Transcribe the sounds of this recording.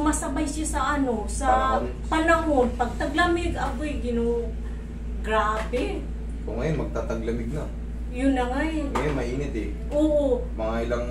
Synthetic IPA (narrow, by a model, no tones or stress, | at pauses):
mɐsɐbajsjasɐʔɐno̞sɐ | pɐnɐɦonpɐɡ̚t̪ɐɡlɐmɪɡɐbojɡɪno | ɡ̥ɾaːbɛ | koŋɐjonmɐɡ̚t̪at̪aɡ̚lɐmɪɡ̚nɐ | jʊnːɐŋajjonmɐʔiːnɪt̪ɛ | ʔoːʔomɐŋaʔɪlaŋ